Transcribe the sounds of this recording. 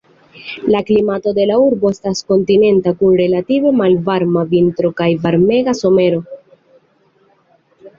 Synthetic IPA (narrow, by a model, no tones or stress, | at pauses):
laklimato̞de̞lauɾbo̞estasko̞ntine̞ntakunɾe̞lative̞malvaɾmavintɾo̞kajvaɾme̞ɡaso̞me̞ɾo̞